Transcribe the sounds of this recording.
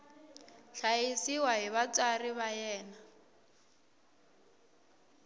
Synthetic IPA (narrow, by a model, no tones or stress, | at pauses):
ɬaisiwaɦiβat͡sʼariβajɛːna